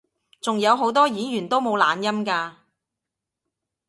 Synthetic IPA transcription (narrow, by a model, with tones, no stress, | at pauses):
t͡sʊ˨ŋjɐ˨˧wɦo˨˥wt̪ɔː˥jiː˨˥jyː˨˩nt̪o˥wmo˨˧wla̰ː˨njɐ˥mkaː˧